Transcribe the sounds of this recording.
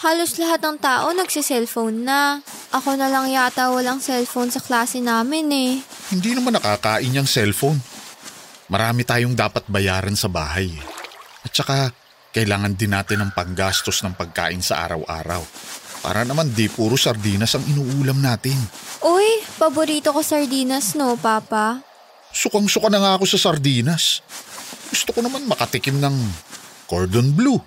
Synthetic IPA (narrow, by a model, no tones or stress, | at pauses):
haːlo̞slɐɦat̪̚nɐŋt̪aːʔo̞nɐɡsɪsɛlfownːɐ | ʔɐko̞nɐlɐŋjat̪ɐwɐlaŋsɛlfownsɐklaːsɛnaːmɪnɛhɪnd̪iːnɐmanːɐkakaːʔɪnjɐŋsɛlfown | mɐɾaːmɪt̪aːjoŋd̪aːpɐt̪̚bɐjaːɾɐnsɐbaːɦɐjʔɐt̪̚t͡ʃɐka | kɐʔɪlaːŋɐnd̪ɪnːaːt̪ɪnɐŋpɐŋɡaːst̪o̞snɐŋpɐɡ̚ka̰ːʔɪnsɐ̰ʔa̰ːɾɐ̰wʔa̰ːɾɐ̰wpa̰ːɾʔɐnɐmand̪ipuːɾosɐɾd̪iːnɐsɐŋɪnuːʔuːlɐmnaːt̪ɪnʔojpɐboɾiːt̪okosɐɹd̪iːnɐsno̞paːpɐ | sʊkɐŋsʊkɐnɐŋaːko̞sɐsɐɾd̪iːnɐs | ɡ̥ʊst̪okonɐmanmɐkɐt̪ɪkɪmnɐŋkoɹd̪onblu